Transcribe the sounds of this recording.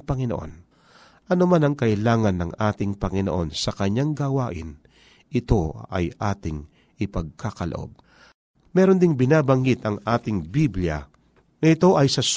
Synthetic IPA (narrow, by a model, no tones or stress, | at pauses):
pɐŋɪnoʔo̰n | ʔɐnomanɐŋkɐʔɪlaːŋɐnːɐŋʔaːt̪ɪŋpɐŋɪnoʔo̞nsɐkɐɲːaŋɡawaːʔɪ̰n | ʔɪt̪o̞ɐ̰jʔaːt̪ɪŋ | ʔɪpɐɡ̚kʰakɐlɐ̰ʔo̞̰b̚ | mɛːɾo̞nd̪ɪŋbɪnaːbɐŋɡɪt̪ɐŋʔaːt̪ɪŋbibljɐ̰ | ŋɐɪt̪o̞ʔɐjsɐs